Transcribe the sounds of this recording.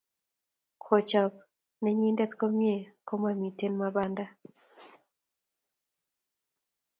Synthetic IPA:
kʰɔ˨t͡ʃɔ˨p̚ | ne˦ɲi˦nda˦tkɔ˦mje˦˨ko˦ma˨mi˨te˦nma˦βa˦nda˦

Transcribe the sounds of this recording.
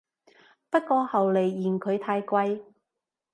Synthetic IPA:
pɐ˥t̚kɔː˧hɐ˨wle˨˩jːiː˨˩nkʰɵ˨˧ɥt̪ʰaː˧jkʷɐ˧j

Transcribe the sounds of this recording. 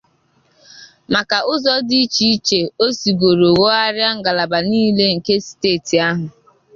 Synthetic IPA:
ma˨ka˨ʊ˦zɔ˦di˦i˦t͡ʃi˦i˦t͡ʃe˨o˦si˨ɡo˨ɾo˨ɣo˦a˦ɾja˦ŋ̩˦˨ɡa˨la˨ba˨niː˦le˦ŋ̩˨ke˦si̥˨teː˦˨ti˨a˦ɦʊ˨

